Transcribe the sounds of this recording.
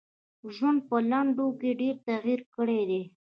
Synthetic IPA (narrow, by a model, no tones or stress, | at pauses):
ʒwənd̪̚pəlaɳɖokeɖeɾt̪aɣiɾkəɽed̪e